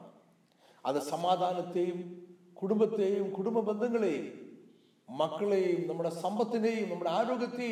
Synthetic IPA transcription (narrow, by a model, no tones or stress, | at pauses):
ɐðɨsɐmaːd̪ʱaːnɐt̪ːeːjum | kuɽumbɐt̪ːejumkuɽumbɐbend̪ʱɐŋːɐɭejumː | ɐkːɐɭejumnɐmːuɽe̞sɐmbɐt̪ːineːjumnɐmːuɽeaːɾoːɡɐt̪ːe